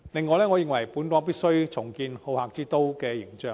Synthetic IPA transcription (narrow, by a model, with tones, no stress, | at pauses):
lɪ˨ŋːɔː˧lɛː˥ŋɔː˨˧jɪ˨˧ŋwɐ˨˩jpuː˨˥nkɔː˨˧˥piː˥t̚sɵ˥ɥt͡sʰʊ˨˩ŋkiː˧nho˨˧whaː˨˧k̚t͡siː˥t̪o˥wkɛː˧jɪ˨˩ŋt͡ʃœː˨˧ŋ